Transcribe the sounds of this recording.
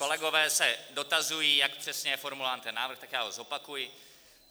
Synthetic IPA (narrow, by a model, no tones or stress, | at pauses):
ko̞lɛɡo̞vɛːsɛdo̞t̪azujiːjakpr̥ɛsɲɛjɛfoɾmulaːnt̪ɛnːaːvɾ̩xt̪akjaːɦozo̞pakujɪ